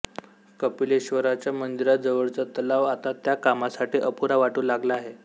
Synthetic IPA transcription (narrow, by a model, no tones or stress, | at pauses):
kəpileɕʋəɾat͡ɕjamənd̪iɾad͡zəʋəɽt͡sat̪əlaʋat̪at̪jakamasaʈiːʔəpuɾaʋaʈuːlaɡlaːɦe